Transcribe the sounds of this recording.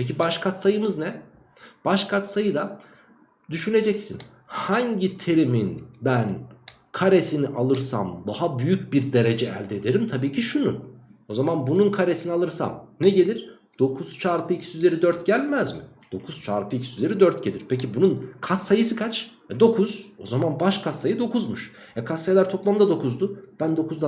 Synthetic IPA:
pʰec̬ibaʃkʰat̪sajɯmɯznɛ | b̥aʃkʰat̪sajɯd̪a | d̪yʃyne̞d͡ʒɛcsin | haɲɟit̪ʰe̞ɾiminbæn | kʰaɾe̞siniʔalˠɯɾsa̰md̪aɦabyjycbiɾd̪e̞ɾe̞d͡ʒɛ̰ːlʲd̪ed̪e̞ɾimt̪ʰabiːcʰiʃunu | o̞zamanbununkʰaɾe̞sinialˠɯɾsa̰mneɟe̞lʲiɾ̥ | d̪̥o̞kʰuz̥t͡ʃʰaːɾpʰɯicʰi̥syzlʲe̞ɾid̪øɾt̪ɟælʲmæzmi | d̪̥o̞kʰuz̥t͡ʃʰa̰ːɾpʰɯicʰi̥siyzlʲe̞ɾid̪øɾt̪̚ɟe̞lʲiɾpʰecibununkʰat̪sajɯsɯkʰat͡ʃvɛd̪o̞kʰuz̥o̞̰zamanbaʃkʰat̪sajɯd̪o̞kʰuzmuʃ | jakʰat̪sajlʲˠaɾt̪ʰo̞plˠamd̪ad̪o̞kʰuzd̪ʊb̥ænd̪o̞kʰuzd̪a

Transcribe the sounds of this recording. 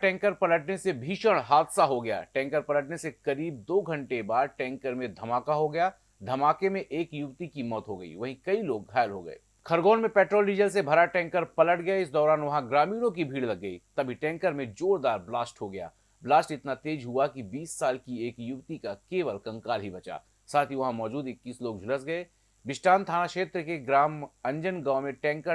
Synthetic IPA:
ʈɛ̃ːŋkəɾpɐləʈnesebʱiːʃəɽ̃ɦaːd̪saɦoɡɐja̰ːʈɛ̃ːŋkəɾpɐləʈnesekɐɾiːb̚d̪oːɡʱɐ̃ɳʈebaːd̪ʈɛ̃ːŋkəɾmẽd̪ʱɐmaːkaɦoɡɐjaː | d̪ʱɐmaːkemẽʔeːkjʊbt̪ikimɔːt̪ɦoɡɐḭʋɐɦĩkɐiloːɡɡʱaːjəlɦo̰ɡɐ̰ḛː | kʰɐɾɡoːnmẽpɛːʈɾoːlɖiːd͡ʒəls̬ebʱɐɾaʈɛ̃ːŋkəɾpɐləʈɡɐjaɪsd̪ɔːɾaːnʋɐɦãɡɾaːmiːɽ̃õk̬ibʱiːɽlɐɡːɐḭːt̪ɐbʱiʈɛ̃ːŋkəɾmẽd͡ʒoːɾd̪aːɾblaːsʈɦoɡɐja̰ː | blaːsʈɪt̪nat̪eːd͡ʒɦuakibiːsːaːlkieːkjʊbt̪ikakeːʋəlkɐ̃ŋkaːlɦibɐt͡ʃa̰ː | saːt̪ʰiʋɐɦãmɔːd͡ʒuːd̪ɪkːiːsloːɡ̚d͡ʒʱʊləsɡɐe | bɪʃʈaːnt̪ʰaːnakʃeːt̪ɾəkeɡɾaːmɐ̃ɲd͡ʒənɡãːʊmẽʈɛ̃ːŋkə

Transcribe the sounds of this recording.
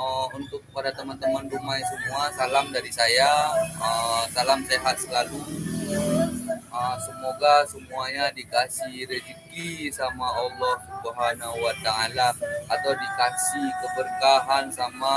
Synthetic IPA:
əunt̪ʊk̚padat̪əmant̪əmanrumajsəmuasalamdaɾisajaəsalamseɦat̪̚səlalu | əsəmoɡasəmuaɲadikasihɾəd͡ʒəkisamaɔlːɔhbuɦanaɦuwat̪aalaat̪awdikasihkəbərkaɦansama

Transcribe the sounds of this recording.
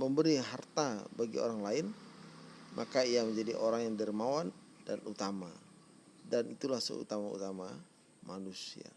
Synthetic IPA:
məmbəɾiɦart̪abaɡḭo̰ɾaŋlaɪn | mʔakaiaməɲd͡ʒadiʔoɾaŋjaŋdəɾimawan | danut̪ama | danit̪ulahsə̰ṵt̪amaṵt̪ama | manusḭa̰

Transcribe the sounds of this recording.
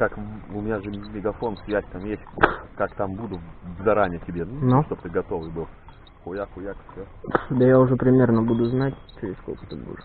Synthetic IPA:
kakʊmʲɪnʲaʐɨmʲɪɡɐfonsʲvʲætʲt̪amjesʲt̚ʲkakt̪ambud̪ʊzɐɾanʲɪjətʲɪbʲennaʂt̪ob̚t̪ɨɡɐt̪o̞vɨjbɨlˠ | xʊjaxʊjak̪sʲo | d̪əjaʊʐɛpɾʲɪmʲe̞rnəbud̪ʊznatʲt͡ɕɪɾʲɪssko̰lʲkə̥t̪ɨbṵʐɨ

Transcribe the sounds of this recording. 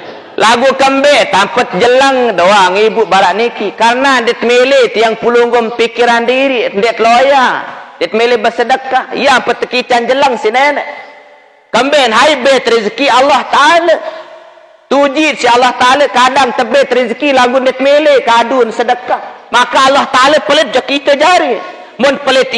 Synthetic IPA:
laɡukəmbɛʔt̪ampət̪̚d͡ʒələŋdoaŋibuʔbaɾaʔnikikaɾənandit̪̚melet̪iaŋpuluŋɡʊmpikiɾandiɾindɛʔt̪lojandit̪̚melebəsədəkahḭjampət̪ːəkit͡ʃand͡ʒəlaŋsinenə | kəmbɛnɦaibet̪ɾizkialːaht̪aala | t̪ud͡ʒit̪sialːaht̪aalakadaŋt̪əbet̪ɾizkilaɡundɛt̪̚melekadunsədəkah | makaːlːaht̪aalapələt̪̚d͡ʒɔkit̪od͡ʒaɾi | mʊnpələt̪

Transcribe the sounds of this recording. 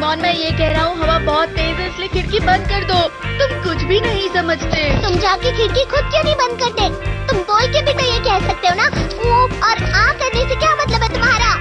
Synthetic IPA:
mɔːnmɛ̃ːjekɛɦɾaɦũɦɐʋabɔːt̪ːeːzẽɪsliekʰɪɽkibɐ̃nd̪̚kɐɾd̪oːt̪ʊmkʊt͡ʃʰbʱinɐɦĩsɐməd͡ʒʱt̪eːt̪ʊmd͡ʒaːkikʰɪɽkixʊd̪̚kjõːnɐɦĩbɐ̃nd̪̚kɐɾt̪eːt̪ʊmboːlkebʱikejekɛɦsɐk̚t̪eɦõnaʋoɔːɾãːmkɐɾnesekjaːmɐt̪ləbɦɛt̪ʊmɦaːɾaː

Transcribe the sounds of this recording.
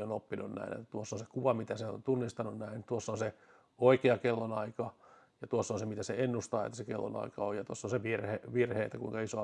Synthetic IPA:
onopːinunnæ̰inḛt̪ːæt̪uosːonsekuʋɑmit̪æseo̰nt̪unːist̪ɑnunnæint̪uosːonse | oikeɑkelːonɑikɑ | jɑt̪uosːonsemit̪æseenːust̪ɑːḛt̪ːæ̥sekelːo̰nɑ̰ikɑojɑt̪uosːonseʋirheʋirheːet̪ːækuiŋkɑisoɑ

